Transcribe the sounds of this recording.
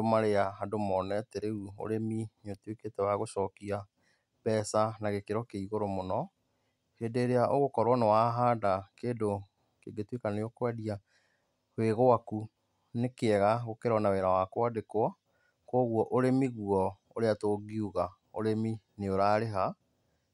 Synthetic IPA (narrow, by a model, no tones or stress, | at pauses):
domaɾeaɦadomɔnɛteɾeuo̰ɾeminotweketɛwaɣoʃɔːkia | pɛːsanaɣekeɾɔkeiɣoɾomonɔ | hendeːɾeaʔoɣokɔɾwɔnewaɦaːdakeːdo | keɡetwekaneokwaðia | hweɣoaku | nekeɛɣaɣokeɾɔnaweɾawakwadekwɔ | koɣwɔʔoɾemiɣuɔ | oɾeatoːɡiuɣa | o̰ɾemineoɾaːɾeɦa